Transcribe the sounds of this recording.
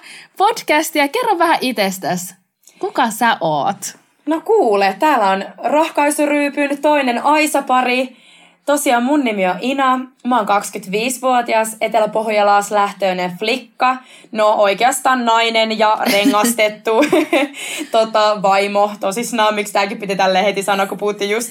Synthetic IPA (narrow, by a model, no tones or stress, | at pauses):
pod̥kæst̪iɑkerːɑʋʋæhæʔit̪est̪æs | kukɑsæʔo̰ːt̪ | nokuːlet̪æːlːæonrohkɑisuryːpynt̪o̞inenɑjsɑpɑɾi | t̪osiɑmmunːimioʔinɑmæoːŋkɑkskyt̪ʋiːsʋuot̪iɑset̪elæpohjɑlɑːslæht̪øːneflikːɑ | noʔoikeɑst̪ɑːnnɑinenjɑreŋːɑst̪et̪ːu | t̪ot̪ɑʋɑimoht̪osisnɑːmikst̪æːkippit̪it̪ælːehet̪isɑnːɑkupuhut̪ːijust̪